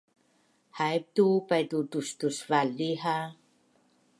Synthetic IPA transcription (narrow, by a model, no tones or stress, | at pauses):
hajp̚tupajdutustusvalːiɦa